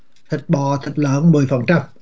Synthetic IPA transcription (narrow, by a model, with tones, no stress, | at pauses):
t̪ʰï˨˩k̚ɓɔ˨˩t̪ʰï˨˩k̚lə̰ː˧˥nmɨ˨˩əjfə˨˩nt͡ɕa˧m